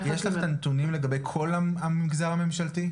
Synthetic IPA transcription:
jeʃlaχt̪ant̪unimle̞ɡabe̞jkʰo̞laamimɡzaʁhame̞mʃalti

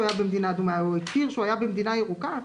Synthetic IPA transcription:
ajabemd̪inad̪umaekiʁʃajabem̩d̪inajeʁuka

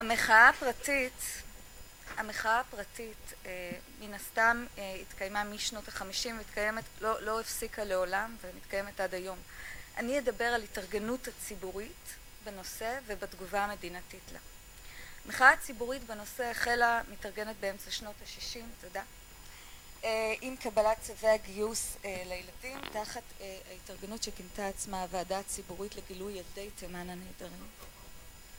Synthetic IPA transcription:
hameχaapʁatit | ameχaapʁatite | minastameitkajmamiʃno̞taχamiʃimveitkaje̞metlolo̞efsikale̞o̞lamvemitkaje̞metadajo̞mʔaniedabe̞ʁalitaʁɡe̞nuthat͡sibuʁit | beno̞se̞vebatɡuvame̞dinatitla̰ | meχaat͡sibuʁitbeno̞seaχelamitaʁɡe̞net̚beemt͡saʃno̞taʃiʃimtoda | eimkabalat͡saveaɡijuselajeladimtaχataitaʁɡe̞nutʃekintaːt͡smaveadat͡sibuʁitleɡilujade̞jtemananeːdaʁim

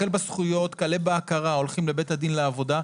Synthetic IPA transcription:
elbasχujo̞t̪kalebeakaʁao̞lχimlebet̪had̪inleavo̞da

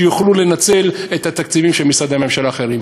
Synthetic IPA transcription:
juχlule̞nat͡se̞let̪hat̪akt͡sivimʃelmisad̪ame̞mʃalaːχe̞ʁim

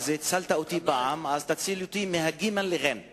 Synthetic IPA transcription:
zet͡salt̪aot̪ibaʔamazt̪at͡silot̪imeɦaɡimanleʁen

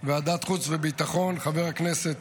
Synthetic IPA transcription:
vead̪at̪χut͡svebit̪aχo̞nχave̞ʁhaknese̞t̪

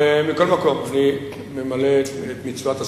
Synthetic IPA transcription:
emiko̞lmako̞mani | memaletet̪mit͡svat̪a

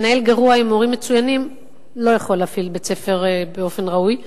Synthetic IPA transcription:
nae̞lɡaʁuaimo̞ʁimːe̞t͡sujanim | lo̞jaχo̞lːaːfilbet͡se̞fe̞ʁbeo̞fe̞nʁauj

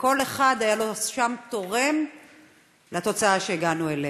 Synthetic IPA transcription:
ko̞leχad̪ajaloʃamt̪o̞ʁe̞m | lat̪o̞t͡saaʃeeɡanuele

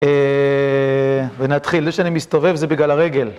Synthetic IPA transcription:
e | venat̪χilzeʃeanimist̪ove̞vzebiɡlalaʁe̞ɡe̞l

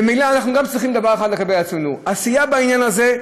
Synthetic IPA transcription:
emilaanaχnuɡamt͡sʁiχimld̪abaʁeχad̪leɡabejat͡smenuasijabainjanaze

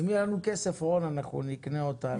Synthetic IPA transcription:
milanukesefonanaχṵnikneota

